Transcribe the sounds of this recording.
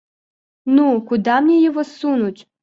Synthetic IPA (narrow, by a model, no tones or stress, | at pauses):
nukʊd̪amnʲijɔɦɔsunʊtʲ